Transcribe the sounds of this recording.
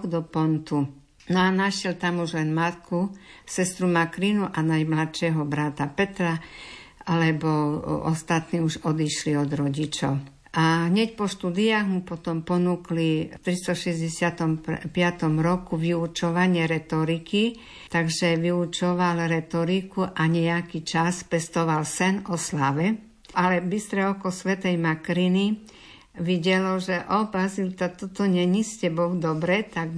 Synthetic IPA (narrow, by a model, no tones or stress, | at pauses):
ɡd̪ɔpɔnt̪u | nɔanaʃjɛlt̪amuʒlɛnmat̪kusɛst̪ɾumakɾinuʔanajmlat̪ʃɛɦɔbɾat̪apɛt̪ɾa | alɛbɔɔ̰st̪at̪niːuʒɔd̪iʃliɔd̪ɾɔɟit͡ʃɔʊ | ʔaɦɲɛc̚pɔʃt̪ud̪iaːɣmupɔt̪ɔmpɔnuklit̪ɾist̪ɔʃɛzɟɛsɪat̪ɔmpɪat̪ɔmɾɔkuʋiut͡ʃɔʋaɲɪɛɾɛt̪ɔɾiki | t̪aɡʒɛʋiut͡ʃɔʋalɾɛt̪ɔɾikuʔaɲɛakit͡ʃaspɛst̪ɔʋalsɛnɔslaʋɛ | alɛbist̪ɾɛɔkɔsʋɛt̪ɛjmakɾini | ʋiɟɛlɔʒɛʔɔpazilt̪at̪ɔt̪ɔɲɛɲiscɛbɔwd̪ɔbɾɛt̪aɡ